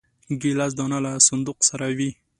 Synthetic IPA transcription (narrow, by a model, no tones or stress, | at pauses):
ɡilaz̬d̪ɔnalasʊnd̪uqsaɾawi